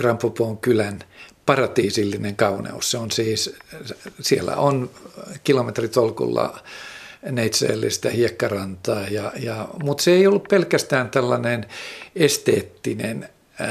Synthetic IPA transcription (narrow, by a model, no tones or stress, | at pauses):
rɑmpːupoːŋkylænpɑrɑt̪iːsilːineŋkɑunḛṵsseonsiːs | sielːæ̰onkilomet̪rit̪olkṵlːɑ̰ | neit̪sḛːlːḭst̪ɑhiekːɑrɑnt̪ɑːjɑjɑmut̪seeiolːuppelkæst̪æːnt̪ælːɑnenest̪ḛːt̪ːinen